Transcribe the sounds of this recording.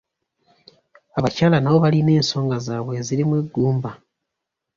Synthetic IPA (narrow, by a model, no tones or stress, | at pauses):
aβacaːlanaβo̞βaline̞ːnso̞ːŋɡazaːβwe̞ːziɾimweɡːuːmba